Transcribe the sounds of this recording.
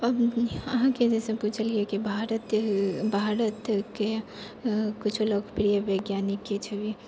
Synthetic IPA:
əbəɦãked͡ʒesẽput͡ʃʰəliekibʱaɾət̪bʱaɾət̪ke | kit͡ʃʰoloɡpɾijəbeɡjanikːet͡ʃʰɛbe

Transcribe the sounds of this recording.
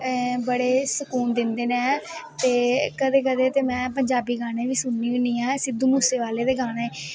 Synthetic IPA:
bəɽeːsəkuːnd̪ɪnd̪eːnẽt̪eːkəd̪eːkəd̪eːt̪eːmɛ̃ːpəɲd͡ʒaːbiːɡaːɽ̃ẽːʋiːsʊnːiːʋiːnĩːɛ̃ːsɪd̪uːmuːseːʋaːleːd̪eːɡaːɽeː

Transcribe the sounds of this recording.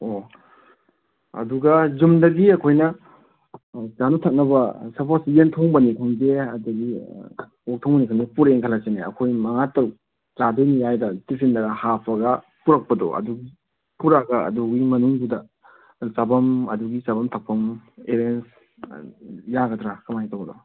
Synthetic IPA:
o | ɐ̰duɡɐzumdɐɡiɐkʰojnɐ | sanutʰɐk̚nɐbɐsɐɾpʰosientʰoŋbɐnikʰɯŋzeɐdɐɡi | ok̚tʰɔŋbɐnikʰaŋepuɾeŋkʰɐlaseneɐ̰kʰojmɐŋatɐw | zadojnijajdɐtipʰindɐɡɐhapʰɐɡɐ | puɾɐk̚pɐdɔ̰ʔɐ̰duɡi | puɾaɡɐɐ̰duɡimɐnuŋdudɐ | sabɐmɐduɡisabɐmtʰɐk̚pʰːɐmeɾens | jaɡɐdɾakɐmajtʰawɡɐdɔ̰

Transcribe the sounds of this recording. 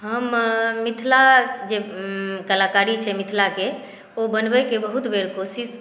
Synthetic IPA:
ɦəmːit̪ʰlad͡ʒekəlakaɾit͡ʃʰɛmit̪ʰlake | obənbɛkebəɦut̪beɾkosis

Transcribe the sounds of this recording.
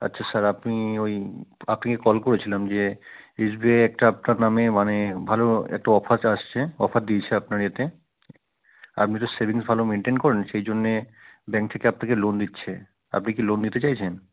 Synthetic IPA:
a̰tːɕʰasaɾapniojapnikekɔlkoɾet͡ɕʰilamd͡ʑeisbieɛk̚ʈaap̚naɾnamemanebʱaloɛ̰k̚ʈaɔfʰat̪aʃt͡ɕʰeɔ̰fʰad̪̚d̪iet͡ɕʰeapnaɾet̪e | a̰pnit̪̬osebʱiŋsbʱalomeɳʈenkɔɾenʃejd͡ʑonːebɛ̃ŋk̚t̪ʰekeapnakelond̪itːɕʰe | a̰pnikilond̪it̪et͡ɕajt͡ɕʰen

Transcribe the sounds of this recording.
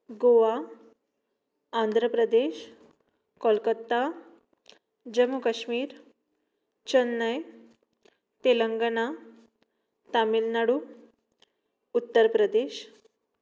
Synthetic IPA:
ɡoʋa | and̪ʱɾəpɾəd̪eɕ | kɔlkət̪ːa | d͡ʑəmukəɕmiːɾ | t͡ɕənːəj | t̪eləŋɡəna | t̪amilnaɽu | ut̪ːəɾpɾəd̪eɕ

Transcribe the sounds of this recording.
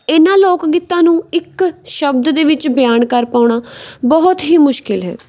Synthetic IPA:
ɪnãːloːkɡit̪ːãːnũːɪkʃəbd̪d̪eːʋɪt͡ʃbɪjaːnkəɾpaːʊɳ̃aːbɔːt̪ɦiːmʊʃkɪlɦɛ̰ː

